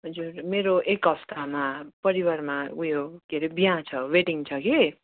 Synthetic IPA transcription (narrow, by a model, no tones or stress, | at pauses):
ɦʌd͡zuɾmeɾoʔekʌst̪ʰamapʌɾiwarmaujokeɾibijãt͡sʰʌweʈiŋt͡sʰʌki